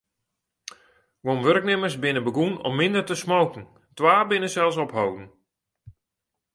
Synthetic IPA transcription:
ʋonʋøɾk̚nɪmərsbɪnəbəɡunɔ̰mːɪndərtəsmowkn̩ | tʋaːbɪnəsɛlˠsɔpɦowdn̩

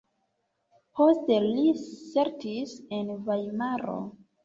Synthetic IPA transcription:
posteliseɾtisenvajmaɾo̰

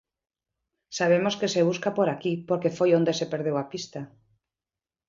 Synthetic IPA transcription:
saβ̞emoskeseβ̞uskapoɾakipoɾkefojond̪esepeɾð̞ewapist̪a

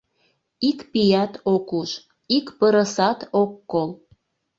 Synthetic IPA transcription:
ikpijɑt̪okuʃ | ikpəɾəsɑt̪okːol

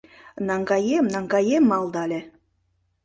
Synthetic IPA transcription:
nɑŋɡɑjemnɑŋɡɑjemːɑlˠd̪ɑlʲe

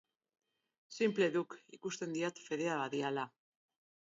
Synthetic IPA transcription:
simple̞ðukikust̪e̞nd̪iat̪fe̞ðe̞aβaðiala

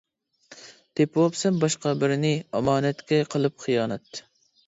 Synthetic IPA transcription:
t̪ʰepwɑpsɛmbɑʃqɑbɪɾɪnɪɑmɑːnɛt̪kʲɛqʰəlˠɨp̚χijɑːnɛt̪

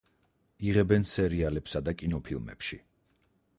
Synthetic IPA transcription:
iʁɛbɛnsɛɾialɛpsad̪akʼinɔpʰilˠmɛ̰pʃḭ

